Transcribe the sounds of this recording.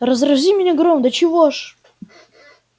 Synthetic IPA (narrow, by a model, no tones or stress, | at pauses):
rəzrɐzʲimʲɪnʲaɡɾomd̪ət͡ɕɪvoʂ